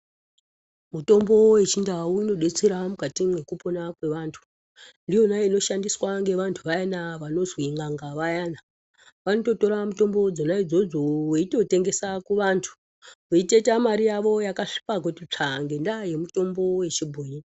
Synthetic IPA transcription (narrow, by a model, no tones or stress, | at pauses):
muto̞mbo̞we̞t͡ʃindawuino̞ɗet͡seɾamukatiɡe̞kuponakwe̞ʋaːntʰu̥ | ndijo̞naeino̞ʃandiswaŋɡe̞ʋantʰuʋajanaʋano̞zwiŋɡaŋɡaʋajana | ʋano̞to̞to̞ɾamuto̞mbo̞d͡zo̞naid͡zo̞d͡zoweito̞te̞ŋɡe̞sakuʋantʰu̥ | weitetamaɾijaʋo̞jakaʂi̥pakwutit͡ʂʰaŋɡe̞ndaje̞muto̞mbo̞we̞t͡ʃibʱuːɲi